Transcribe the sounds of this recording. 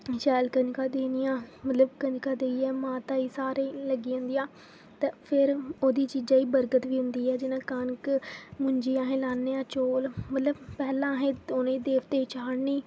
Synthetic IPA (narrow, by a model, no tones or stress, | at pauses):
ʃɛːlkənkaːd̪eːnijãːmət̪ləbkənkaːd̪eːiːɛːmãːt̪ãːiːsaːɾeləɡiːãːnd̪ijãː | t̪aːpʰɪɾoːd̪iːt͡ʃiːd͡ʒãːiːbəɾɡət̪ʋiːɦʊnd̪iːɛːd͡ʒɪnãːkənkmʊɲd͡ʒiːãːɦẽːlaːnːeːãːt͡ʃoːlmət̪ləbpɛːlãːɦẽːonẽiːd̪eːʋt̪eːt͡ʃaːɽniː